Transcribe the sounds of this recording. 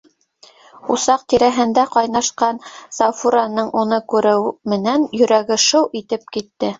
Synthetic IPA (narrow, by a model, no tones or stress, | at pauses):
usɑq̚t̪iɾæɦɘ̆nd̪æqɑjnɑʃqɑnsɑfuɾɑnɤɴʔunɤkʉɾɘwmɘ̆nænjɵ̆ɾæɡɘ̆ʃɤwʔit̪ɘpkit̪ːɘ